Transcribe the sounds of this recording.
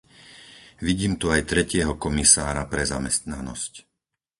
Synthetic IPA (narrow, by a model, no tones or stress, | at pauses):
ʋiɟiːmt̪uajt̪ɾɛcɪɛɦɔkɔmisaːɾapɾɛza̰mɛst̪nanɔ̰sc